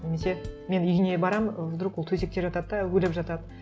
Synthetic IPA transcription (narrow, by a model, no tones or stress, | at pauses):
nʲe̞me̞se̞me̞nʏjɡʲɪne̞bɑɾɑmd̪ɾuqwolˠt̪ʰɵze̞k̚t̪e̞ɾʒɑt̪ɑd̪əd̪ɑwɵlɪpʒɑt̪ɑd̪ə